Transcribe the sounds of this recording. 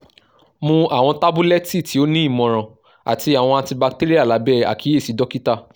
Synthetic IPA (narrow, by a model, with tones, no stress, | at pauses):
mũ˧a˨w̃ɔ̃˧ta˦bu˦lɛ˦ti˦˨ti˨˦o˦nĩ˦i˦˨mɔ̃˨ɾ̃ã˨ | a̰˨ti˧a˨w̃ɔ̃˧a˧tĩ˧ba˧k̚te˦ɾi˦a˦˨la˨˦bɛ˦˨a̰˨kʰi˨˦e˦˨si˨˦dɔ˦ki˦ta˦˨